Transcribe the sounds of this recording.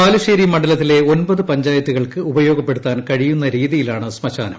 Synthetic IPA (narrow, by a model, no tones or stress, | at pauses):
aːluɕeːɾimɐɳɖɐlɐt̪ːile̞o̞nbɐðɨpɐɲd͡ʑaːjɐt̪ːuɣɐɭkɨubɐjo̞ːɡɐpːe̞ɽut̪ːaːnkɐɻijunːɐɾiːðijilaːɳɨsmɐɕa̰ːnɐm